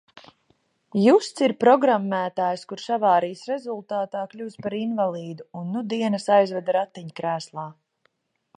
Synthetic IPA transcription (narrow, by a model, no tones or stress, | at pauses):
just̪siɾpɾɔɡɾamːæːt̪aːjskuɾsavaːɾijsɾɛzulˠt̪aːt̪aːkʎʲuːspaɾinvalˠiːd̪uunːud̪iɛnəsajzvad̪ɾat̪ːiɲkɾæːslˠaː